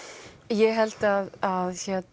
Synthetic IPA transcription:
jɛɣɦɛlt̪aðaðçɛt̪

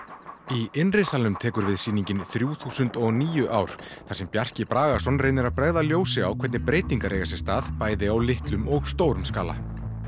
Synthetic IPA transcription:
iɪnrɪnsalnʏmt̪ʰɛːkʏɾvɪðsiːniɲcɪnθɾjuːθuːsʏnt̪ɔɣniːjʏʔaːwɾ̥θḁsɛmpjar̥cɪpɾaːɣasɔnrejnɪɾaðpɾɛɣðaljoːwsɪawkʰvɛt̪nɪpɾeːjt̪iŋkaɾeːjɣasɛ̥st̪aːðpaːjðɪawlɪht̪lʏmɔɣst̪oːwɾʏmskaːla̰

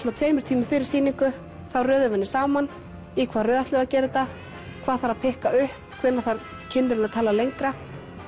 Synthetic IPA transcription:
snat̪veːjmɾt̪ʰiːmʏfɪɾɪɾ̥siːniŋkʏ | θawrœːðʏvɛnːɪsaːwman | ikʰv̥aːðrœːðaht̪ɛɣacɛːɾɪt̪a | kʰv̥aːðθaɾaðpʰɪhkaʏhpkʰvɛːnaɾθaɾ | cʰɪnːɪɾɪnaðt̪ʰaːlalejŋkɾa

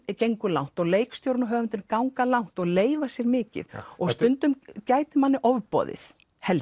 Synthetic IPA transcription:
cejŋkʏla̰wn̥t̪ɔɣleːjkst̪jowɾnaɦœːɣvʏnt̪ɪɾkawŋkalawn̥t̪ɔɣleːjvasjɛɾmɪːcɪ̰ðɔɣst̪ʏnt̪ʏmcaːjt̪ɪmanːɪʔɔvpɔ̰ːðɪ̰θ | hɛl

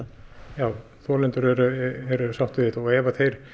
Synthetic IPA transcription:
jaːw | θɔːlɛnt̪ʏɾɛɾʏɛɾʏsawht̪ɪɪt̪ɔɛːvaθejɾ̥

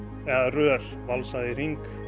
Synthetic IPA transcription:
ɛɣðarœːɾ̥valsaðɪr̥iŋk

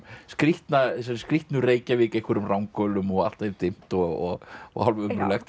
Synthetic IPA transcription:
skɾiht̪nas̬ɛɾskɾiht̪nʏreːjcavɪːkehkʰvɛɾʏmrawŋkœːlʏmɔɣa̰l̥t̪evt̪ɪm̥t̪ɔɔ̰ɣɔ̰halvʏmɾʏlɛxt̪

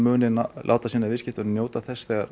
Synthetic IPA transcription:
mʏːnɪnala̰wt̪asiːnavɪscɪht̪ʏnnjoːwt̪aθɛsθɛːɣaɾ

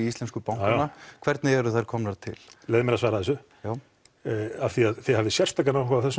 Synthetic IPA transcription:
iist̪lɛnskʏpawŋnakʰvɛɾt̪nɪɛɾʏθajɾ̥kʰɔmnaɾt̪ʰɪ̰llɛjðɪmɛɾasvaːɾaθɛs̬ːʏjaːw | aθiaðθehavðɪsjɛr̥st̪aːkanawhkʰaθɛsː

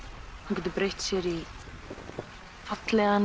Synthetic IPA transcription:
hamcɛt̪ːʏpɾejht̪sjɛɾi | fat̪lɛɣan

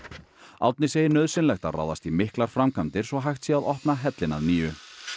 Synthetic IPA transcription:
awt̪nɪseːjɪnœðsɪnlɛxt̪ara̰ːwðast̪imɪhklaɾ̥fɾamkʰant̪ɪɾ̥sɔɦajxt̪sjɛaðɔhpnaɦɛt̪lɪna̰ðniːʏ

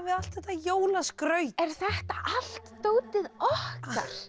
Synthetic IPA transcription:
vɪal̥t̪θɛht̪ːajoːwlaskɾœːɥt̪ɛɾ̥θɛht̪aʔal̥t̪t̪oːwt̪ɪðɔhka̰ɾ̥

